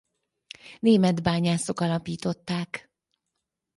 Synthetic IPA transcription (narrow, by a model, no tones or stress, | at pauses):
neːmɛd̪baːɲaːso̞kɒlɒpiːt̪o̞t̪ːaːk